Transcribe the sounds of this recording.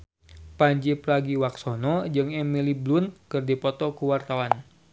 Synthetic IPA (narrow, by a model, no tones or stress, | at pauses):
paɲd͡ʒipɾaɡiwaksɔnɔd͡ʒɨŋɛmiliblunkɨrdipɔt̪ɔkuwart̪awan